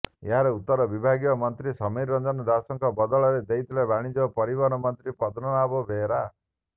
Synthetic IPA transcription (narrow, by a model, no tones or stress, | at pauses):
ḛɦaɾeut̪ːɔɾɔbibʱaɡijɔmɔnt̪ɾisɔmiɾɔnd̪ɔnɔd̪asɔŋkɔbɔd̪ɔɭɔɾed̪eit̪ʰilebaɽ̃id͡ʒɔɔpɔɾibɔnɔmɔnt̪ɾipɔd̪ɾɔnabɔbʱeɾa